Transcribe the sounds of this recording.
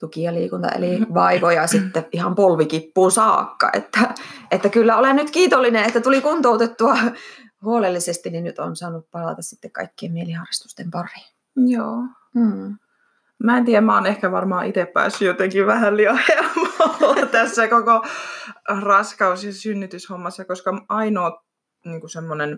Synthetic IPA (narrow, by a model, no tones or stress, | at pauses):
t̪ukiɑliːkunt̪ɑ̰ḛliʋɑiʋojɑsit̪ːeʔihɑmpolʋikipːuːsɑːkːɑ̰ʔḛt̪ːæet̪ːækylːæolennyt̪kiːt̪olːinenet̪ːæt̪ulikunt̪oˑut̪et̪ːuɑ | huolelːisest̪ininnyt̪onsɑːnuppɑlɑt̪ɑssit̪ːekkɑ̰ikːiemieliɑrːɑst̪u̥st̪empɑri̥ | joː | mæent̪iæmmæonehkæʋɑrmɑːʔit̪eppæ̰ːsːyjot̪eŋkiʋæhælliɑhemolːɑt̪æsːækoko | rɑskɑusɑsynːyt̪yshomːɑsːɑkoskɑɑinoː | niːŋkusemːonen